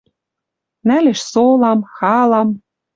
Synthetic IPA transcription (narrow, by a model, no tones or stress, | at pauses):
næleʃsolɑmxɑlɑm